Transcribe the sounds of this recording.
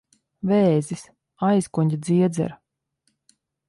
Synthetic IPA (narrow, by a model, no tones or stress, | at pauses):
vɛːzis | ajskuɲʲd̪ziɛd̪zɛ̰ɾ